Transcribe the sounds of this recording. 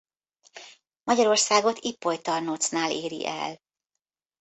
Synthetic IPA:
mɒɟɒɾo̞rsaːɡo̞t̪ipːo̞jt̪ɒrnoːt̪snaːleːɾḭʔɛ̰l

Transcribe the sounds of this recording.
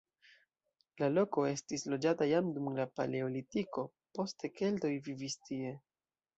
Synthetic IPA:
lalo̞ko̞e̞stislo̞d͡ʒatajamdumlapa̰le̞olitiko̞ | po̞ste̞ke̞lto̞jvivistie̞

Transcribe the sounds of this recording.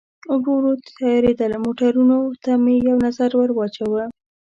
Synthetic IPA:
ʊɡɾoɾot̪jɾed̪əlmoʈaɾunot̪amejawnazaɾwəɾwɑt͡ʃawə

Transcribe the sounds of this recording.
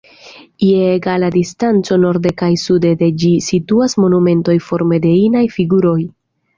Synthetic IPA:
ieːɡaladistant͡so̞no̞ɾde̞kajsude̞de̞d͡ʒisituasmo̞nume̞nto̞jfo̞ɾme̞de̞inajfiɡuɾo̞j

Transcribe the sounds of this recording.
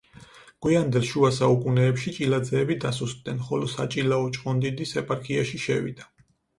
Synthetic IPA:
ɡ̥wiand̪ɛlʃuasaukʼunɛːpʃit͡ʃʼilad̪zɛːbid̪asust̪ʼd̪ɛnχɔlɔsa̰t͡ʃʼilaɔt͡ʃʼqʼɔnd̪id̪isɛpʼaɾkʰiaʃiʃɛvḭd̪a

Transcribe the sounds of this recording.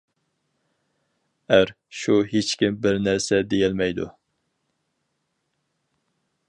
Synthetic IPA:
æɾ | ʃuɦet͡ʃkʲimbɪɾnæɾsɛd̪ejɛlmɛjd̪ṵ

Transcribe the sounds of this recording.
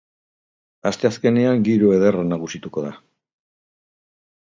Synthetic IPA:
ast̪e̞aske̞neaŋɡiɾue̞ðe̞ranaɣusit̪uko̞ða

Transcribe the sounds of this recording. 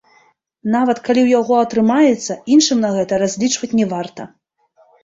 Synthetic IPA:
navɐt̪kalʲiwjaɣɔɐt̪ɾɨmajɛt̪sːɐinʂɨmnɐɣɛt̪ɐɾazʲlʲit͡ʂvɐt͡sʲnʲɛvart̪ɐ

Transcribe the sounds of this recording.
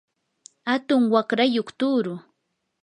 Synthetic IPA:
hat̪ʊŋwakɾajoχt̪ʊːɾʊ

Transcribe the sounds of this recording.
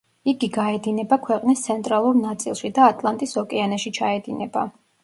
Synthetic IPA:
iɡiɡaɛd̪inɛbakʰwɛqʼnist̪sʰɛnt̪ʼɾalˠuɾnat̪sʼḭlˠʃid̪aːt̪ʼlˠant̪ʼisɔkʼɛanaʃit͡ʃʰaɛd̪inɛba̰

